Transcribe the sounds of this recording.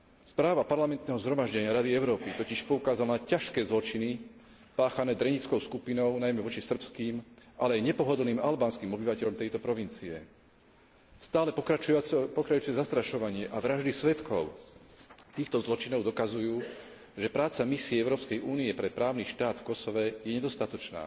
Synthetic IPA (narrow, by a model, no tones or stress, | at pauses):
spɾaːʋapaɾlamɛnt̪nɛɦɔzɦɾɔmaʒɟɛɲɪaɾad̪iɛʊɾɔːpit̪ɔciʃpɔukaːzalnacaʃkɛːzlɔt͡ʃini | paːxanɛːd̪ɾɛɲit͡skɔʊskupinɔʊnajmɛʋɔt͡ʃisr̩pskiːmʔalɛajɲɛpɔɦɔd̪l̩niːmalbaːnskiːmɔbiʋacɛʎɔmt̪ɛjt̪ɔpɾɔʋint͡siɛ̰ | st̪aːlɛpɔkɾapɔkɾat͡ʃut͡sɛzast̪ɾaʃɔʋaɲɪɛʔaʋɾaʒd̪isʋɛt̪kʰɔʊ | t̪iːxt̪ɔzlɔt͡ʃinɔʊd̪ɔkazujuː | ʒɛpɾaːt͡samisiɛɛʊɾɔːpskɛjʔuːniɛpɾɛpɾaːʊniʃt̪aːd̪fkɔsɔʋɛjɛɲɛd̪ɔst̪at̪ɔt͡ʃna̰ː